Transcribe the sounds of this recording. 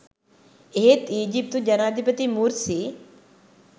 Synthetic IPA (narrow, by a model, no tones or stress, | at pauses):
eet̪iːd͡ʒip̚t̪ud͡ʒɐnaːd̪ʱipət̪imuːɾsi